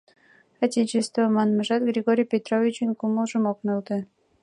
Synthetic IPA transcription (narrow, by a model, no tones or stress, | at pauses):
ɑtʲet͡ɕest̪vəmɑnmə̆ʒɑt̪ɡrʲeɡoɾʲijpʲet̪rovʲit͡ɕinʲkuməlˠʒəmoknolt̪ə̆